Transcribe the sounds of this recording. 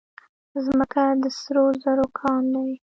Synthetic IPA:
zməkad̪əsɾozəɾokʰɑnd̪awi

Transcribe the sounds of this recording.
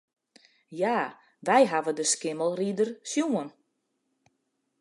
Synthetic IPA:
jaː | ʋɛjɦaʋədəskɪməlˠridərsjuən

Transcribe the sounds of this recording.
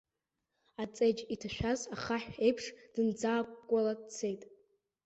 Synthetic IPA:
at͡sʼejd͡ʒitʰaʃᶣazaχaħʷᶣe̞jpʰʂd̥ɨnd͡zaːkʷkʷʼːaladt͡sʰe̞jtʼ

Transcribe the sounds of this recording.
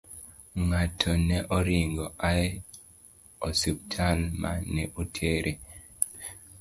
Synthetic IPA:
ŋatʰɔnɛʔɔɾiŋɡɔʔaɛ | osup̚tʰalmʔa̰nɛʔutʰeɾʔe

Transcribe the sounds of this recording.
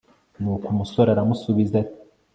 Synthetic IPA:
nuːkumusoɾaɾamusuβizati

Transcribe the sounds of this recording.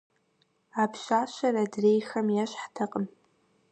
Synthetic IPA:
apʰʃaːʃɐradreːjxɐmjaɕħtʰɐqʼəm

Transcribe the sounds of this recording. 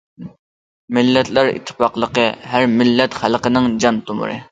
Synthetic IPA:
mɪlːɛt̪læɾḭt̪ʰːɪ̥pɑqlˠəqəɦæɾmɪlːɛt̪χælˠqənɪŋd͡ʒɑnt̪ʰomʊ̰ɾɨ̰

